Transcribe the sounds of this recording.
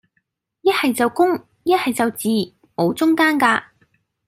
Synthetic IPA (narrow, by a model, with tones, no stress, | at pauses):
jɐ˥t̚hɐ˨jt͡sɐ˨wkʊ˥ŋ | jɐ˥t̚hɐ˨jt͡sɐ˨wt͡siː˨ | mo˨˧wt͡sʊ˥ŋkaː˥nkaː˧